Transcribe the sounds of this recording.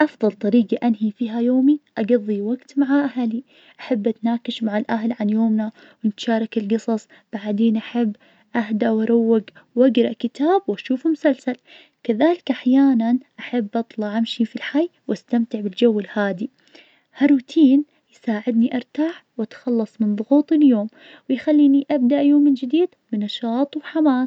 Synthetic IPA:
ʔɑfðˤɑlt̪ˤɑɾiːɡaʔanhifiːɦajoːmiʔaɡɑðˤːiwaɡt̪maʕaʔahali | ʔaħabːʔat̪naːkɪʃmaʕalʔaɦlʕanjoːmna | wɪnɪt̪ʃɑːɾˤɑkɪlɡɨsˤɑsˤ | b̥aʕd̪eːnʔaħɪbː | ʔaɦd̪awɑɾˤawːaɡwʔaɡɾˤɑʔkɪt̪aːbwaʃuːfmʊsalsal | kɪðaːlɪkʔaħjaːnanʔaħabːʔɑt̪ˤlɑʕamʃifilħajːwʔast̪amt̪ɪʕbɪld͡ʒawːɪlhaːd̪i | haɾut̪ʰiːn | jsaːʕɪd̪niʔɑɾˤt̪aːħwat̪xɑlːɑsˤmɪnðˤʊɣuːt̪ˤɪljoːm | wɪjxalːiːniʔabd̪aʔjoːmːɪnd͡ʒɪd̪iːd̪mɪnːɑʃɑːt̪ˤwħamaːs

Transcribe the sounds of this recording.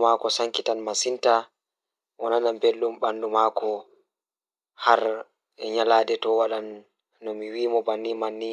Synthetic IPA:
makɔsaŋkitanmasinta | wɔnanambelːumɓandumaːkʰɔ | haɾ | ɛɲalaːdɛtɔwaɗanː | ɔmiwiːmɔbanːimanːi

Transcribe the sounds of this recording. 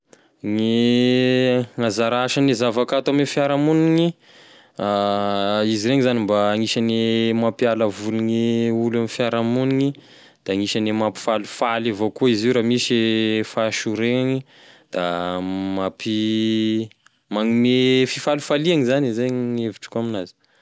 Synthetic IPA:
ŋi | ŋazaɾaʃanezavakat̪amefjaɾamuniŋi | a | iziɾeŋizanimbaːŋiʃanemapialəvuliŋiulamifiaɾamuniŋi | d̪̥aŋiʃanemapi̥falu̥falevokuiziwɾamiʃefaʃuɾeaŋi | d̪̥amapi | maŋimefifalufaliaŋizanizajŋeviʈ͡ʂə̥kuaminazi̥

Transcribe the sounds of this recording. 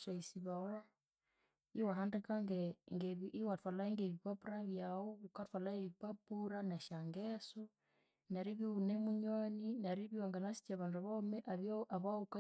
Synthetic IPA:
saisiβawa | iwaɦandɛkaŋɡɛŋɡeβiʔiwatwalaiŋɡeβipapuɾaβjaɔukatwalaeβipapuɾanaʃaŋɡɛsɔ | naɾiβiunɛmuɲɔninaɾiβiwaŋɡanasi̥t͡ʃaβanduaβaɔmɛʔaβjɔʔaβauka

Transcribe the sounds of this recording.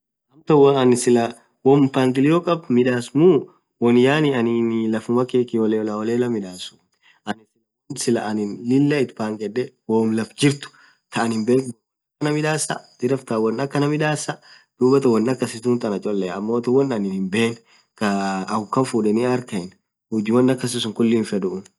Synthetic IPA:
hɐmt̪ɐwɔɐnɪsɪlɐ | wɔmpaːŋkʼɪlɪjoːkʼɐbmɪᶑaːsmu | wɔnjaːnɪɐnɪnlɐfʊmɐkeːkɪɔlelɐɔleːlɐmɪᶑaːsʊ̥ | ʔɐnɪsɪl | nsɪlɐʔɐnɪnlɪlːɐɪt̪paːŋkʼɛᶑɛwoːmlɐfd͡ʒɪɾt̪ʊ̥ | t̪ɐʔɐnhɪmbeːŋboː | ɐkːɐnɐmɪᶑaːsɐ̰d̪̥ɪɾɐft̪ɐwɔnːɐkːɐnɐmɪᶑaːsɐ | d̪̥uːbɐt̪ɐwɐnːɐkːɐsɪt̪uːnt̪ʼɐnɐt͡ʃʼɔlːɛɐmːo̞ːt̪ɐwɔnːɐnɪnhɪmbeːn | kɐɐʊkːɐɱfuːᶑɛnɪɐɾkɐɪn | hʊd͡ʒɪwɔnːɐkːɐs̬ɪsʊŋkʊlːiːnfɛdʊʔʊn

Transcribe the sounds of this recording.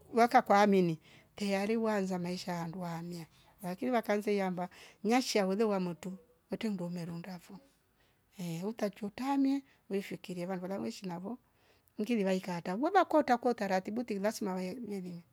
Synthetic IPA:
wakakwaːmini | tɛjaɾiwanzamaiʃaanduwaːmja | lakiniβakanzɛjambaɲaʃiawɔðɛwamutu | wɛtɛndɔmɛɾundafɔ | ɛutat͡ʃɔtamjɛ | uɾifikiɾiɛβanduβalaŋwɛʃinaβɔ | ŋ̩ɡiðiβaikatawɛβakɔtakɔtaɾatibutilasimawamɛnini

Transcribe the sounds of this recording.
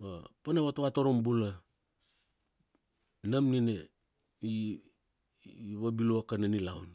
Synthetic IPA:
bapanaβatowatoɾombula | namnine | i | βabiloakananilawn

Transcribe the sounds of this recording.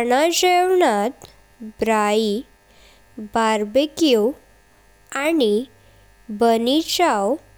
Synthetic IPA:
ɳad͡ʑewɳat̪ | bɾai | baɾbekjo | ani | bənit͡ɕaw

